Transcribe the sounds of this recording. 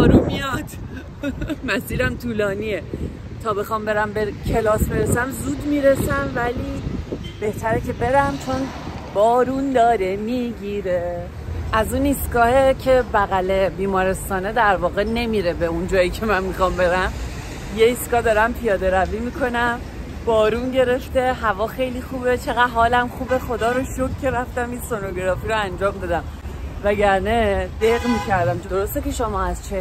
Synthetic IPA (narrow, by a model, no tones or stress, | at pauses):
bɒːɾunmijɒd̪̥ | mæsiːɾæmt̪ʰuːlɒːnie | t̪ʰɒːbe̞xɒmbe̞ɾæmbecʰe̞lɒːsbe̞ɾesæmzuːd̪miːɾesæmvæliːb̥e̞ht̪ʰæɾecʰe̞be̞ɾæmt͡ʃʰo̞n | b̥ɒːɾuːnd̪ɒːɾemiːɟiːɾe | ʔæzunist̪kɒːhecʰe̞bæɣæle̞biːmɒːɾe̞st̪ɒːne̞d̪æɾvɒːɣe̞ne̞miɾe̞beund͡ʒɒːjicʰe̞mænmixɒmbe̞ɾæm | je̞iskɒːd̪ɒːɾæmpʰijɒːd̪e̞ɾæviːmikʰo̞næm | b̥ɒːɾuːnɟe̞ɾe̞ft̪e̞ɦævɒːxe̞jliːxuːbet͡ʃʰe̞ɣæd̪ɦɒːlæmxuːbexo̞d̪ɒːɾoʃokcʰe̞ɾæft̪æminsonoɡeɾɒːfiɾoænd͡ʒɒːmd̪ed̪æm | væɟæɾned̪̥eɣmiːcʰæɾd̪æmd̪oɾost̪eke̞ʃomɒːæst͡ʃʰe